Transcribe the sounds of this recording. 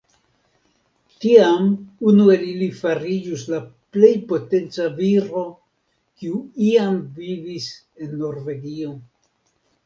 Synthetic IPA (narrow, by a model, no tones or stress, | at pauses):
tiamunue̞lilifaɾid͡ʒuslaple̞jpo̞te̞nt͡saviɾo̞ | kiuiamvivis | e̞nːo̞ɾve̞ɡio̞